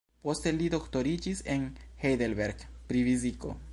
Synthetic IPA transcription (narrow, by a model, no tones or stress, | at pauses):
po̞st̪e̞lid̪o̞kt̪o̞ɾid͡ʒisenhejd̪elbeɾɡpɾiviziko̰